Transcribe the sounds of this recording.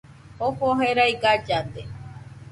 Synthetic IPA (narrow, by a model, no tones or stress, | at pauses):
ohoɦeɾaiɡad͡ʒad̪e